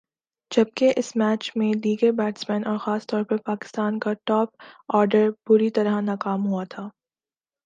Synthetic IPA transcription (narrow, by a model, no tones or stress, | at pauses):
d͡ʒɐb̚keʔɪsmɛːt͡ʃmẽliːɡəɾbɛːʈsmɛ̃ːnɔːɾxaːst̪ɔːɾpɐɾpaːkɪ̥st̪aːnkaʈɔːp̚ɔːɾɖəɾbʊɾit̪ɐɾanaːkaːmɦuat̪ʰaː